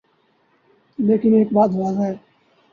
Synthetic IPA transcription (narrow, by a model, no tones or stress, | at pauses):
leːkɪneːk̚baːt̪ɦoad͡ʒaːeː